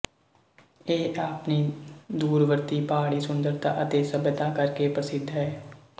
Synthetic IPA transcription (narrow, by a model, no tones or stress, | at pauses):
eːʔaːpniːd̪uːɾʋəɾt̪iːpaːɽiːsʊnd̪əɾt̪ãːʔət̪eːsəbət̪ãːkəɾkeːpɾəsɪd̪ʱɦɛː